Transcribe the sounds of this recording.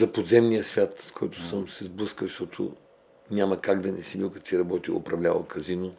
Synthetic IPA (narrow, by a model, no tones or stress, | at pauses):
zɐpod̪zɛmnijəsvʲjat̪skʰɔjt̪ʊ̥səmsɛzblˠɤskəʃt̪ɔt̪ʰo̰ | nʲamɐkaɡd̪ɐnɛsibilˠkɐt̪siɾɐbɔt̪ilˠo̰pɾɐvlʲavˠɐ̰kɐzino